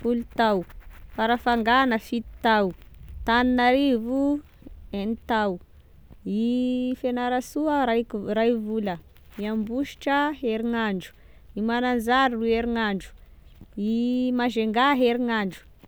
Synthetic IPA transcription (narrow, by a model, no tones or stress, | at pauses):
fulut̪awfaɾafaŋɡanəfit̪i̥t̪awt̪aninaɾivu | enit̪aw | ifenaɾasuəɾaɾajvulə | iambuʃi̥ʈ͡ʂəɦeɾiŋaɳɖ͡ʐu̥ | imanand͡zaɾrueɾiŋaɳɖ͡ʐu̥ | imaʒeŋɡaɦeɾiŋaɳɖ͡ʐu̥